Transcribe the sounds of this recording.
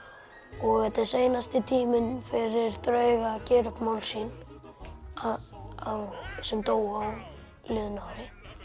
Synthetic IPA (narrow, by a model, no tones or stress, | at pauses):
ɔɣɛt̪ɛseːjnast̪ɪt̪ʰiːmɪnfɪɾɪɾ̥t̪ɾœːɥɣacɛːɾʏkmawlsiːn | awsɛmt̪oːwaw | lɪðnawɾɪ